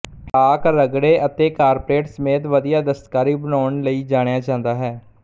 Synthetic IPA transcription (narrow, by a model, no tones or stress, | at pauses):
ʈaːkɾəɡɽeːʔət̪eːkaːɾpɾeːʈsəmeːt̪ʋəd̪ijaːd̪əst̪kaːɾiːbənaːɳləiːd͡ʒaːɽ̃ejaːt͡ʃãːnd̪aːɦɛː